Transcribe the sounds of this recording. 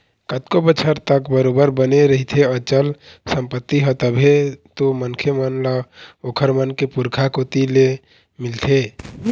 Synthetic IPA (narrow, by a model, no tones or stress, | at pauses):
kət̪kobət͡ʃʰəɾt̪əkbəɾobəɾbəneɾəɦit̪ʰeət͡ʃəlsəmpət̪ːiɦət̪əbʱet̪omənkʰemənləokʰəɾmənkepuɾkʰakot̪ile | milt̪ʰe